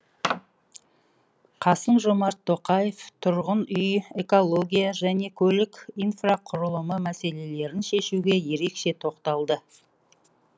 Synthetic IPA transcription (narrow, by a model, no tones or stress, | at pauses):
qʰɑsəɴʒomɑɾt̪ʰːo̞qɑje̞ft̪ʰʊɾʁənʏje̞ko̞lˠo̞ɡʲijaʒæne̞kʲʰɵlɪkʲijnfraqʰʊɾəlˠəməmæse̞le̞le̞ɾɪnʃe̞ʃuɡʲe̞je̞ɾe̞kʃe̞t̪ʰo̞qt̪ɑlˠd̪ə